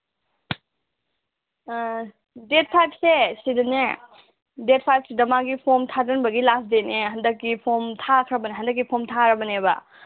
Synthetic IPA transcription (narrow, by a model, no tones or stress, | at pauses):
det̚pʰajp̚sesidɐne | det̚pʰajpsedɐmaɡipʰomtʰadɐnbɐɡilasdeneɦɐndɐkːipʰomtʰakʰɾɐbɐneɦɐndɐk̬ːipʰomtʰaɾɐbɐnebɐ̰